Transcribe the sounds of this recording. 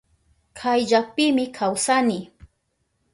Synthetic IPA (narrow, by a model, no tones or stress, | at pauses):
kʰajʎak̚pɪmɪkʰawsanɪ